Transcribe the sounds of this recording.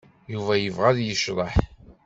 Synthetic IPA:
juvæjəvʁæðjəʃɾˤəħ

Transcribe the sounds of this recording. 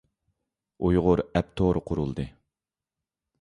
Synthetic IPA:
ujʁʊɾɛp̚t̪ʰoɾqʰʊɾulˠd̪ɨ

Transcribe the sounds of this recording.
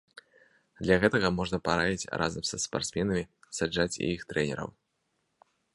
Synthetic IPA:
d̪lʲɐɣɛt̪ɐɣɐmɔʐnɐpaɾavʲit͡sʲrʔa̰zɐmsɐspa̰rt̪smʲɛnɐmʲisad͡ʐat͡sʲḭjixt̪ɾɛnʲɛ̰ɾɐ̰w

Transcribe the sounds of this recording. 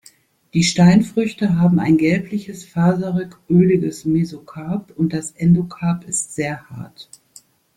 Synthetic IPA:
d̥iːʃtaɪnfʁ̥ʏçtəɦaːbm̩a̰ɪnɡɛlplɪçəsfaːzɐʁʏkʔøːlɪɡəsmezokʰaːpʊnt̚d̥asʔɛndokʰaːpɪstz̥eːɐha̰ɐt

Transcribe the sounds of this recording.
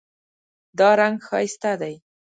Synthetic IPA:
d̪ɑɾaŋɡxɑ̰jst̪ad̪aj

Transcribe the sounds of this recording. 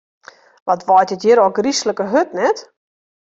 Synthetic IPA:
ʋɔtʋɔjtjətjɪɾoɡrisləkəɦøtnɛt

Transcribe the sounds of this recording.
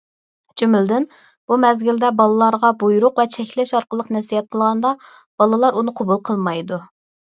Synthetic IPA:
d͡ʒymɪld̪ɪn | b̥umɛzɡʲild̪ɛbɑlˠɨlˠɑɾʁɑbujɾʊqvɛt͡ʃʰɛkʲlɛʃɑɾqəlˠəqnɛsijɛt̪̚qʰəlˠʁɑnd̪ɑ | b̥ɑlˠɨlˠɑɾunɨqʰobulˠqʰəlˠmɑjd̪u

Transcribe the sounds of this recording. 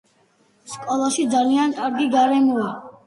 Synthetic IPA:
skʼɔlˠaʃid̪zaliankʼaɾɡiɡaɾɛmɔa

